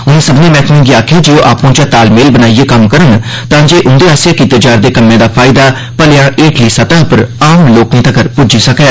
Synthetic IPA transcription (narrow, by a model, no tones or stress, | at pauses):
ʊnẽːsəbnẽːmɛ̃ːkmɪ̃ŋɡiːaːkʰeːd͡ʒeːoːʔa̰ːpõːt͡ʃãːt̪aːlmeːlbənaːieːkəmkəɾən | t̪ãːd͡ʒeːʔʊnd̪eːaːsjaːkiːt̪eːd͡ʒaːɾd̪eːkəmːẽːd̪aːpʰaːɪd̪aː | pəlejãːʔeːkliːsət̪ãːpəɾaːmloːknĩːt̪əkəɾpʊd͡ʒiːsəkeː